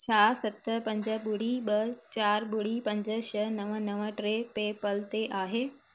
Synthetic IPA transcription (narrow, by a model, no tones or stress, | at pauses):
t͡ɕʰaːsɐt̪əpɐ̃ɲd͡ʑəɓʊɽiɓɐt͡ɕaːɾɓʊɽ̤ipɐ̃ɲd͡ʑəʃənɐʋənɐʋəʈɾepeːpɐlt̪eʔaːɦeː